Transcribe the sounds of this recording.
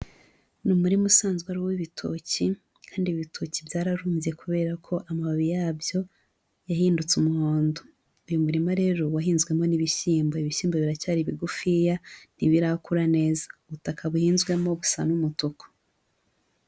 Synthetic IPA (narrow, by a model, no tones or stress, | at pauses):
numuɾimusaːnzɡwaɾuwiβitʰo̰ci | kʰaːndiβitʰo̞cibjaːɾaɾuːmvije̞kuβe̞ːɾakʰo̞ʔamaβaβijaːbjo̞ | jahiːndut͡sumuhoːndo | ujumuɾimaɾe̞ːɾowaɦiːnzɡwe̞mo̞niβiʃiːmboiβiʃiːmboβiɾacaːɾiβiɡufijaniβiɾakuɾane̞ːzḁuβutakaβuhiːnzɡwe̞mo̞βusa̰numutoko̥